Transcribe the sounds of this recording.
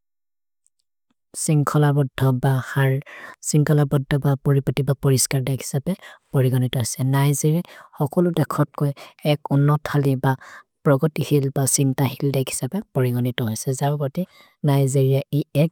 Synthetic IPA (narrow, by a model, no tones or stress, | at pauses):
siŋkʰɔlabɔdʱɔbaxaɹsiŋkɔlabɔdʱːɔbapɔɹipɔtibapɔɹiskaɹdɛkʰi̥sapɛpɔɹiɡɔnitɔɦɔjsɛnajziɹɛxɔkɔlʊdɛkʰɔtkɔjɛkɔnːɔtʰaliba | pɹɔɡɔtihilbasintahildɛkʰi̥sapɛpɔɹiɡɔnitɔɦojsɛzabpɔti | najziɹijaiɛk